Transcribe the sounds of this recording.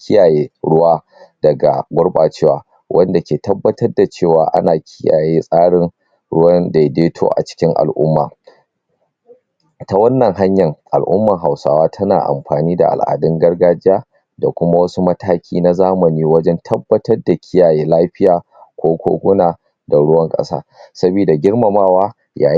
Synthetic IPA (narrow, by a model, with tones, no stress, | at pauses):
kʲɪ˦jaː˨jeː˦ɽʊ˦waː˦ | d̥ɐ˨ɡa̰˨ɡʷʊ˦ɽɓaː˨t͡ʃeː˦waː˨ | wʔɐ˦nda˨kʲeː˨tɐ˦bːɐ˦tɐ˦rda˨t͡ʃeː˦˨waː˨ʔa̰˦naː˨kʲʰɪ˦ja̰ː˨jeː˦sʼaː˦ɽɪ˦ŋ | ɽʊ˦wɐ˦nde˨jdeː˦tʰo̰ː˦ʔa̰˨t͡ʃɪ̥˦kʲɪ˦ŋʔa̰˨lʔʊ̰˦mːa̰ː˨ | ta˨wɐ˦nːɐ˨ŋɦa˦ɲjɐ˨ŋʔa̰˨lʔʊ̰˦mːɐ˨ŋɦa˨wsa̰ː˦waː˦tʰɐ˦naː˨ʔa̰˨mɸaː˨niː˦da̰˨ʔa̰˨lʔa̰ː˨dɪ˦ŋɡɐ˦rɡaː˦d͡ʒɪ˦jaː˦ | da˨kʷʊ˦ma˦wɐ˦su˦mɐ˦tʰaː˦kʲʰiː˦na˦zaː˦mɐ˨niː˦wɐ˦d͡ʒɛ˦ntʰɐ˦bːɐ˦tɐ˦rda˨kʲʰɪ˦jaː˨jeː˦laː˦ɸɪ˦jaː˨ | kʷoː˦kʷo̰ː˦ɡʷʊ˦naː˨ | da˨ɽʊ˦wɐ˦ŋkʼɐ̰˦sa̰ː˦sɐ˦biː˨da˨ɡʲɪ˦ɽmɐ˨maː˦waː˦ | ja̰ː˨